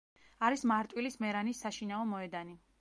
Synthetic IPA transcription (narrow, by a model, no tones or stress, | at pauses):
aɾismaɾt̪ʼwilismɛɾanisːaʃinaɔmɔɛd̪ani